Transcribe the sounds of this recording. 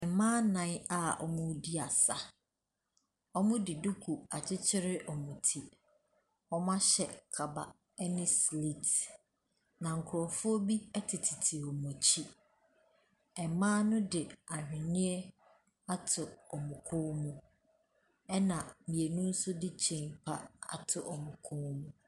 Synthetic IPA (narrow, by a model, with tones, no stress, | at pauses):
ɛ˨mãː˦nã˨˦n˦a˨ɔ̰˨mʊ̃˦di˦a˨sa˨ | ɔ˦mʊ̃˦dɪ˨du˦kʰu˨a˨t͡ɕʰɪ˦t͡ɕʰɪ˦ɾɪ˦ʔɔ˨mũ˨tʰi˨ | ɔ˦mã˦ɕɛ˨kʰa˨ba̰˨ | ɛ˦nɪ̃˦sli˦t | nã˨ŋ̩˨kʰʊ˨ɾɔ˨fʊ˦ɔ˦bi˦ɛ˦tʰɪ˨tʰɪ˨tʰɪ˨ɔ˨mʊ̃˨t͡ɕʰi˦ | ɛ˨mãː˦nʊ̃˦dɪ˨a˨hᶣɪ̃˨ɲɪ̃˦ɛ˦ | a˦tʰʊ˨ɔ˨mʊ̃˨kʰʊ̃˦mũ˦ | ɛ˦nã˨mĩ˨e˨nũ˦n̩˦sʊ˦dɪ˦t͡ɕʰɛ̃˨ŋpʰa˦a̰˨tʰʊ˨ʔɔ˨mʊ̃˨kʰʊ̃˦mũ˦